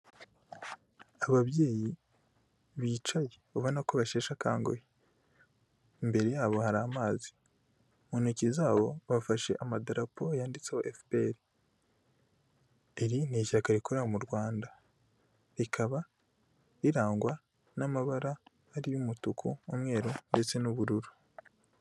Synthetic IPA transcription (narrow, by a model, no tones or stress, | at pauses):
aβaβjeːji | βiːt͡ʃajeβaβo̞nakoβaʃe̞ːʃaka̰ːŋɡo̰je | imbe̞ɾe̞jaːβo̞haɾaːmaːzi̥ | munecizaːβo̞βafaʃe̞̰ʔamadaɾapʰojaːndit͡sehoʔefpeɾi | eɾiniʃakaɾikoɾamuɾɡwaːnda | ɾikʰaβa | iɾaːŋɡwa | namaβaɾaː | ɾijumutukʰuumŋe̞ːɾonde̞t͡se̞nuβuɾuɾu